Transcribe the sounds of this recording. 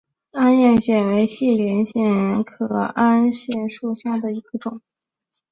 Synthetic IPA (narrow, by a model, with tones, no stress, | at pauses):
a˥njɛ˥˩nɕjɛ˨˩we˧˥ɪɕi˥˩ljɛ˧˥nɕjɛ˥˩˥nkʰɤ̰˧˩a˥nɕjɛ˥˩nʂu˥˩ɕja˥˩d̪ə˩i˧˥ɡ̥ə˧ʈ͡ʂʊ˨˩˦ŋ